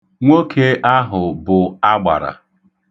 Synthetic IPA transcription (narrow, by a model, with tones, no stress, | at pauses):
ŋʷo˦kʰe˦ʔa˦ɦʊ˨bʊ˨a˦ɡ͡ba̰˨ɾa̰˨